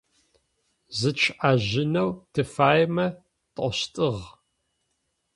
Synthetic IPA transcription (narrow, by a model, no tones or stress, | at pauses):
zɨt͡ʃʰʔaʑɪnɐwtʰɨfaːjmɐ | tʼɔɕtʼɨʁ